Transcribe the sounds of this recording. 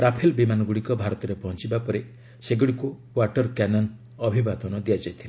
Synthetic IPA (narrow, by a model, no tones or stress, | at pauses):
pɾapʰilbimanɔɡuɽikɔbʱaɾɔt̪ɔɾepɔɦɔnt͡ʃibapɔɾe | seɡiɽiku | waʈɔɾkanɔn | ɔbʱibad̪ɔnɔd̪ijad͡ʒajt̪ʰila